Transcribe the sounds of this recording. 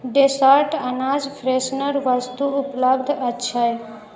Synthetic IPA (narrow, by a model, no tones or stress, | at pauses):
ɖesaɾʈɐnad͡ʒpʰɾesnəɾʋəst̪uʊpləbd̪ʱətːʃʰaj